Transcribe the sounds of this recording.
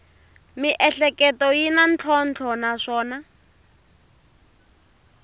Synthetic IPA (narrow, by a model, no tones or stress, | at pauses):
miʔɛɬɛkɛtɔjinant͡ɬʰɔnt͡ɬʰɔnaʂɔːna